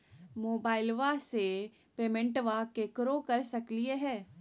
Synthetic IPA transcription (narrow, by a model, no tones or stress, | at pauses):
moːbaːɪlʋase | peːmẽɳʈʋakekɾokɐɾsɐklieɦɛː